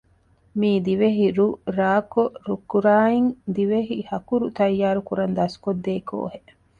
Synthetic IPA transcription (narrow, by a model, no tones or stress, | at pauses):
miːd̪iʋeɦiɾuɾaːkoɾukːuɾaːiŋd̪iʋeɦihɐkuɾut̪ɐjːaːɾukuɾɐnd̪ɐskod̪ːeːko̰ːɦeʔ